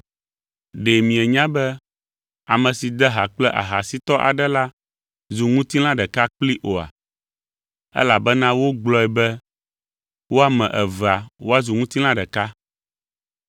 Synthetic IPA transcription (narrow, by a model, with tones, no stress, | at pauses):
ɖe˨mĩ˨ɛ˨ɲã˦bɛ˦ | a˨mɛ̃˨si˨d̪ɛ˦ɦa˨k͡plɛ˦ʔa̰˨ɦa˨si˦t̪ɔ˦ʔa̰˨ɖɛ˦la˦ | zu˨ŋũ˦t̪i˦l̃ã˦ɖɛ˨ka˦k͡pli˦ʔo˨a̰˨ | ɛ̰˦la˨bɛ˦nã˦wo˦ɡ͡blɔ˦ɛ˨bɛ˦ | wo˦a˨mɛ̃˨ʔɛ˨va˨wo˦a˦zu˨ŋũ˦t̪i˦l̃ã˦ɖɛ˨ka˦